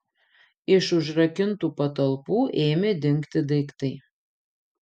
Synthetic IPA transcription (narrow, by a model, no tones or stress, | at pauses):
ɪʃʊʒɾɐkʲɪnt̪uːpɐt̪ɐlˠpuːʔeːmʲed̪ʲɪŋkt̪ʲɪd̪ɐɪkt̪ɐɪ